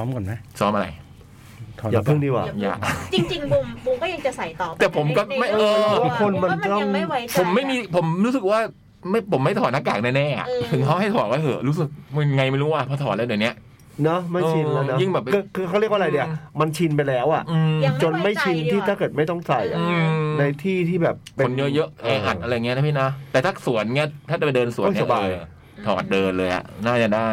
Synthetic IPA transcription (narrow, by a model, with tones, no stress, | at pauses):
sɔː˦˥mkna˦˥sɔː˦˥mʔa˧ɾa̰˧j | jaː˨˩pʰɯ˥˩˨niː˦˥˩wa̰ː˨˩ja̰ː˨˩t͡ɕi˧ŋt͡ɕi˧ŋ˧mu˧kɔ˥˩ja˧t͡ɕa˨˩sa˨˩jɔː˨˩t̪ɛː˨˩pʰo˩˦mkɔː˥˩ma˥˩jɤː˧u˥˩kʰo˧nma˧n˧t̪ɔ˥˩ŋ˧˦pʰo˩˦mːa˥˩jmiː˧pʰo˩˦mɾuː˦˥sɯ˨˩k̚waː˥˩ | ma˥˩pʰo˩˦mːa˥˩jt̪ʰɔː˨˩naː˦˥kːaː˨˩k̚naɛː˥˩nɛː˥˩ʔa̰˨˩t̪ʰɯ˨˩˦ŋkʰa˦˥wha˥˩jt̪ʰɔː˨˩ɔː˧˥˩hɤː˩ɾuː˦˥s̬ɯ˨˩k̚m˧ŋa˧jma˥˩jɾuː˦˥waː˥˩pʰɔː˥˩t̪ʰɔː˩˦nlɛː˧˦˩dɯ˨˩ni˦˥ɐ | nɔ˦˥ma˥˩ɤː˨˧i˧nla˦˥n˦ji˥˩ŋbɛː˨˩p̚ːkɯ˧kʰɯː˧kʰa˥˩ɾi˥˩k̚ʔa˧ɾa˧di˧˥˩ɐ˨ma˧nt͡ɕʰi˧npa˧jlɛː˦˥wʔa˨˩ʔɯː˧t͡ɕo˧nma˥˩jt͡ɕʰi˧nt̪ʰiː˥˩t̪ʰaː˥˩kɤː˨˩t̪̚ma˥˩jt̪ɔ˥˩ŋsa˨˧˩ja˨ʔɯː˧na˧jt̪ʰiː˥˩t̪ʰiː˥˩bɛː˨˩pkʰːe˧o˩˦njɤ˦˥ʔjɤ˦˥ʔɛː˧˦ʔa̰˨˩t̪ʔa˧ɾa˧jːŋi˦˥˧a˥pʰiː˥˩na˦˥t̪ɛː˨˩t̪ʰaː˥˩su˩˦ənːi˦˥ɐ˩t̪ʰaː˥˩t͡ɕa˨˩pdɤː˧nsu˨˩˦ni˥sa˩ʔbaː˧j | t̪ʰɔ̰ː˨˩˦t̪̚dɤː˧nlɤː˧jʔa̰˨˩ʔnaː˥˩t͡ɕa˨˩daː˥˩j